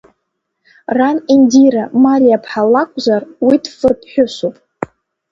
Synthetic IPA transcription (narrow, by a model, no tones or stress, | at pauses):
ranindiɾamalijapʰħalakʷʼzarwidʰfɨpʰħʷᶣʊʃʷupʼ